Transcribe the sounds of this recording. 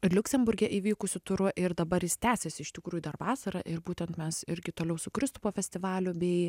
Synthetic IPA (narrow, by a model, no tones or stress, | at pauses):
ɪlʲʊkʲsʲɛmbʊɾʲɡʲɛʔiːʋʲiːkʊsʲʊt̪ʊɾʊʔɪɾd̪ɐbɐɾjɪst̪ʲæːsʲesʲɪɪʃt̪ʲɪkɾuːjʊd̪ɐrʋɑːsɐɾɐʔɪɾbuːt̪ʲɛnt̪mʲɛsɪɾʲɡʲɪt̪oːlʲɛʊsʊkɾʲɪst̪ʊpoːfʲɛsʲt̪ʲɪʋɑːlʲʊbʲɛɪ